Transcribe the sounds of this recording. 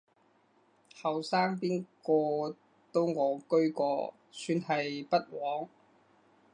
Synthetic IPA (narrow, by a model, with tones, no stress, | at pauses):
hɐ˨wsaː˥ŋpiː˥nkɔː˧ | t̪o˥wŋɔː˨˥kɵ˥ɥkɔː˧ | syː˧nhɐ˨jpɐ˥t̚wɔː˨˥ŋ